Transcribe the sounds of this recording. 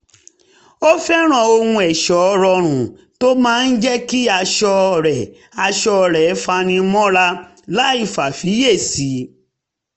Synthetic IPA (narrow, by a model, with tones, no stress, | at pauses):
o˦fɛ˦ɾ̃ã˨o˧hũ˧ɛ˨ʃɔ˨˦˧ɾɔ˧ɾ̃ũ˨ | to˦mãː˦˧n̩˦d͡ʒɛ˦ki˦a˧ʃɔ˧ɾɛ˨ | a˧ʃɔ˧˨ɾɛ˨˦fa˧nĩ˧mɔ̃˦ɾa˧ | la˦i˦˨fa˨fi˨˦je˦˨si˨˦